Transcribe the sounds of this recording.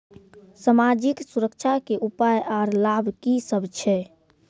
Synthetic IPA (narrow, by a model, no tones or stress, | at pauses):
səmad͡ʒiksuɾəkt͡ʃʰakeʔupajʔaɾlabʱkisəbt͡ʃʰɛ